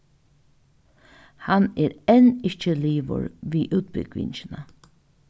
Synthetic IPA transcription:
haneːɾɛnɪt͡ʃəliːʋə̰ɹʋiːʔʉːt̪̚bɪ̰ɡʋɪ̰ɲt͡ʃɪna

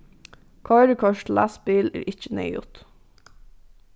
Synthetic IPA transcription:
kʰɑɪɾəkʰɑʃtlæsbiːlḛːɾʔɪc͡çənœ̰ʏʊ̰t̪

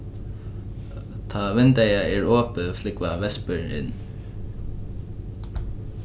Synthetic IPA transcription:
t̪ʰavɪnt̪ajaɛɹɔːpʏflɪkvavɛspɪɹɪ̰nː

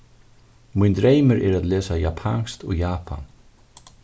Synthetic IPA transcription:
mund̪ɾeːjməɾʔɛɾat̪lɛːsajapʰaŋst̪ɔɣjaːpʰa̰n

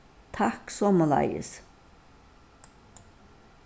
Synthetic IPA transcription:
t̪ʰɑksɔmɑlɑ̰ɪə̰s

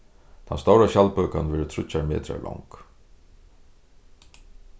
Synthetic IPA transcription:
t̪ʰanst̪ɔwɾaɕalpœːkanvɛːɾʏt̪ʰɾʊt͡ʃaɹmɛ̰ːt̪ɾa̰lɔ̰wŋk

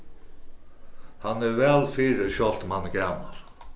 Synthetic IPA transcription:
hanːɛɾvɛːlfiɾɪɕɔl̥t̪manːɡæːma̰l

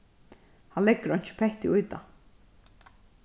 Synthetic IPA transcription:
hanlɛkːəɾɔjɲ̥t͡ʃɪ̥pʰɛht̪ɪʊjt̪a̰

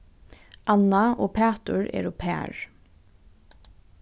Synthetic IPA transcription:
ɑnaoːpʰæːt̪ʊɹɛ̰ːɾoːpʰæ̰ːɹ

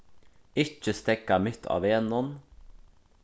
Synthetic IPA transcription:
ɪt͡ʃːəst̪ɛkɑmʏt̪ʰːɑ̰ːʋeːnɔn

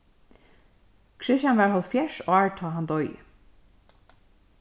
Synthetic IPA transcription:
kʰɹɪʃanʋɛːɹhɔlt̪fjɛʂɔːɹt̪ʰɔːɦand̪ɔj̰

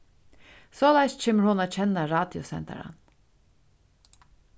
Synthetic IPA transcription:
soːlɑɪst͡ʃʰeːməɾhʊnaːt͡ɕʰɛnːaɾɑːd̪jʊsɛ̰nt̪a̰ɾa̰n

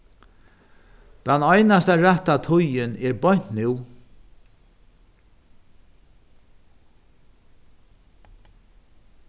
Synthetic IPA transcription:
t̪anɔjnast̪aɾaht̪at̪ʰʊjɪnɛɹbɔɲ̥t̪nɪw

